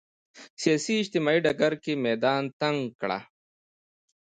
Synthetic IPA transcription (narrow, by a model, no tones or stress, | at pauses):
sijaːsiːd͡ʑt̪imaːiɖɐɡɐɾkemeːd̪aːnt̪ɐŋɡkɽa̰